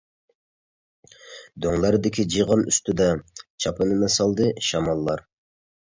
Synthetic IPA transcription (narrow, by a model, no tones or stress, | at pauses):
d̪oŋlˠɑɾd̪ɪkʲʰid͡ʒijʁɑnyst̪ɪd̪ɑt͡ʃʰɑpʰɨnɨnɑsɑlˠd̪ɨʃɑmɑlˠːɑɾ